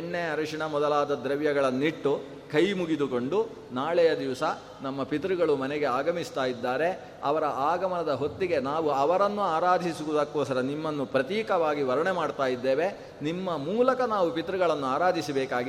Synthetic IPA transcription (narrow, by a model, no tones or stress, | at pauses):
ɳːeɐɾɐʂiɳɐmɔd̪ɐlaːd̪ɐd̪ɾɐʋjɐɡɐɭɐnːiʈːu | kʰɐjmuɡid̪uko̞ɳɖu | naːɭɛjɐd̪iʋɐsɐ | nɐmːɐpit̪ɾuɡɐɭumɐnɛɡe̞aːɡɐmist̪aːjid̪ːaːɾe̞ | ɐ̰ʋɐɾɐʔaːɡɐmɐɳɐd̪ɐɦo̞t̪ːiɡe̞naːʋuɐʋɐɾɐnːuaːɾaːd̪ʱisiʋud̪ɐkːuːsɐɾɐnimːɐnːupɾɐt̪iːkɐʋaːɡiʋɐɾɐɳemaːɖt̪aːjid̪ːeːʋe̞ | nimːɐmuːlɐkɐnaːʋupit̪ɾuɡɐɭɐnːuaːɾaːd̪ʱisɐbɛːkaːɡi